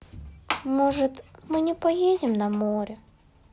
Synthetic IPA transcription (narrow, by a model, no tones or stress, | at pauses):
moʐɨt̪mɨnʲɪpɐjedʲɪmnɐmoɾʲə